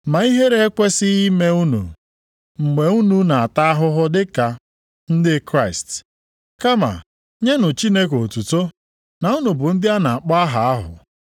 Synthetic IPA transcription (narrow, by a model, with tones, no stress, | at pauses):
ma˨i˦ɦe˦ɾe˦e˦kʷe˦sɪ˦i˦me˦u˦nṵ˨ | ŋ͡m̩˨ɡ͡be˨u˦nu˦na˨a˨ta˦a˦ɦʊ˦ɦʊ˦dɪ˦ka˨ | n̩˦dɪ˦kɾa˦ɪ˨st | ka˦ma̰˨ | ɲe˦nʊ˨t͡ʃi˦ne˦k̬o˨tu˨to˦ | na˨u˦nu˨bʊ˨n̩˦dɪ˦a˦na˨a˨k͡pɔ˦a˦ɦa˨a˦ɦʊ̰˨